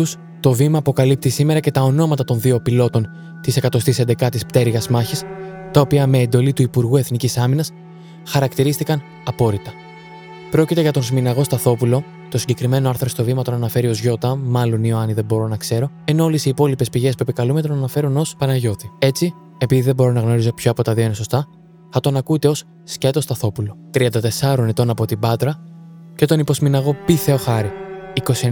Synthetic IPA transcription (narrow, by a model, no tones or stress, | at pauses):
us | t̪o̞vimɐːpo̞kɐlip̚t̪isime̞ɾɐce̞t̪ɐo̞no̞mɐt̪ɐt̪o̞nðio̞pilo̞t̪o̞n | t̪ise̞kɐt̪o̞st̪ise̞nd̪e̞kɐt̪ispt̪e̞ɾɣɐzmɐçist̪ɐo̞piɐme̞ːnd̪o̞lit̪uipuɾɣue̞θnicisɐminɐs | xɐɾɐkt̪iɾist̪ikɐn | ɐpo̞ɾit̪ɐ | pɾo̞cit̪e̞ʝɐt̪o̞nsminɐɣo̞st̪ɐθo̞pulo̞ | t̪osiɲɟe̞kɾime̞no̞ɐɾθɾost̪o̞vimɐt̪o̞nɐnɐfe̞ɾio̞zʝo̞t̪ɐmɐlo̞nioɐniðe̞bo̞ɾo̞nɐkse̞ɾo̞eno̞olesiːpo̞lipe̞spiʝe̞spue̞pikɐlumet̪o̞nɐnɐfe̞ɾuno̞spɐnɐʝo̞θie̞t͡si | e̞piðiðebo̞ɾo̞nɐɣno̞ɾizo̞pçoɐpo̞t̪ɐðio̞ine̞so̞st̪ɐ | θɐt̪onɐkut̪e̞o̞sːcet̪o̞st̪ɐθo̞pulo̞t̪ɾiɐnd̪ɐt̪e̞sɐɾo̞net̪o̞nɐpo̞t̪ibɐt̪ɾɐ | ce̞t̪o̞nipo̞zminɐɣo̞piθe̞o̞xɐɾiiko̞sie